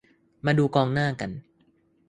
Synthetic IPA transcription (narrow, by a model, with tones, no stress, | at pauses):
maː˧duː˧kɔː˧ŋnaː˥˩ka˧n